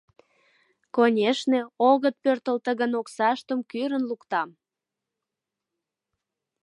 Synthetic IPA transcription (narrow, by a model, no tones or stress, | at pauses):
konʲeʃneoɣət̪̚pørt̪əlt̪əɣənoksɑʃt̪əmkyɾənlukt̪ɑm